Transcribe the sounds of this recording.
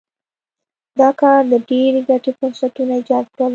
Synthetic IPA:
d̪ɑkɑɾd̪əɖeɾeɡaʈepusakunaɪd͡ʒɑt̪̚kɽal

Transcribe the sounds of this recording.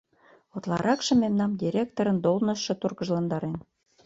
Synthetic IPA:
ot̪lˠɑ̰ɾʔɑkʃɤ̆memnɑmd̪ʲiɾʲek̚t̪oɾə̆nd̪olnɤ̆ʃːɤ̆t̪urɣə̆ʒlɑnd̪ɑɾen

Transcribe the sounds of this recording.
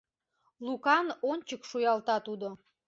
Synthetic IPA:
lukɑnonʲt͡ɕəkʃujɑlˠt̪ɑt̪ud̪o

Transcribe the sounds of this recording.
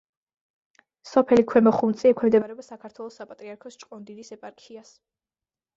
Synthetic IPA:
sɔpʰɛlikʰwɛmɔχumt̪sʼiɛkʰɛmd̪ɛbaɾɛbasakʰaɾt̪ʰwɛlˠɔsapʼat̪ʼɾiaɾkʰɔst͡ʃʼqʼɔnd̪inisɛpʼaɾkʰias

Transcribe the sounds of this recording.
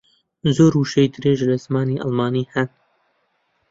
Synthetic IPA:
zoːɾuʃejd̪ɨɾeːʒlɐzmaːniːʔɑ̰lˠmɑːniːhɐn

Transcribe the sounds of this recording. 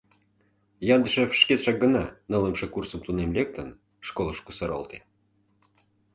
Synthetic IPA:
jɑnd̪əʃefʃket̪ʃɑk̚ɡə̆nɑnɤ̆ləmʃɤkursə̆mt̪unemlʲek̚t̪ən | ʃkolˠəʃkusəɾo̰lˠt̪e

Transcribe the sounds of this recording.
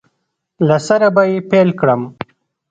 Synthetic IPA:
lasaɾabajepelkɽəm

